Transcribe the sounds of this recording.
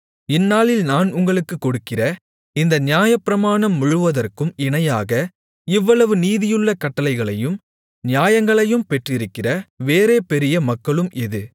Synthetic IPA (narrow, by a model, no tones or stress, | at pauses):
ɪnːaːlɪlnaːnʊŋɡɐɭɯkːɯkːɔɽɯkːɪrɐ | ɪnd̪ɐnɪjaːjɐpːɪɾɐmaːɳɐmːʊɻɯʋɐðɐrkɯmɪɳɐjaːɣɐ | ɪʋːɐɭɐʋɯniːðɪjɯɭːɐkɐʈːɐlɐɪɣɐɭɐjɯm | nɪjaːjɐŋɡɐɭɐjɯmpɛʈrɪɾɯkːɪrɐʋeːɾeːpɛɾɪjɐmɐkːɐɭɯmɪðɯ